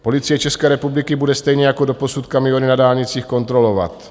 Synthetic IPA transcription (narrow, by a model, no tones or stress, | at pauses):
po̞lɪt͡sɪjɛt͡ʃɛskɛːɾɛpublɪkɪbudɛst̪ɛjɲɛjako̞do̞po̞sut̪kamɪjo̞nɪnadaːlɲɪt͡siːxko̞nt̪ɾo̞lo̞va̰t̪